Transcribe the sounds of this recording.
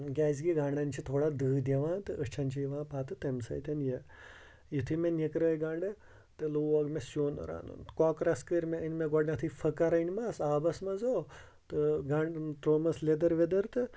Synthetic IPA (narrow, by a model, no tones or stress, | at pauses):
ɡʲɛːzɡiɡaːɳɖɐnt͡ʃʰit̪ʰoːɽad̪ɨːd̪ʲeʋãːt̪ɨʔəʂt͡ʃʰanʲt͡ʃʰijiʋãːpʰaːt̪ɨt̪ɐmsɐ̰jt̪ɐnje | jit̪ʰɨmenʲekɾɐjɡaɳɖɨ | t̪eloːʋɐɡmesoːnɐ̰ɾa̰ːnṵnkɔːkɾɐskəɾmeənʲmeɡɔɖnɐt̪ʰɨfʰɐkaɾɐnmasaːbɐsmɐzoː | t̪ɨɡãɳɖʈ̪ɾoːmɐsled̪ɐɾʋed̪ɐɾt̪ɨ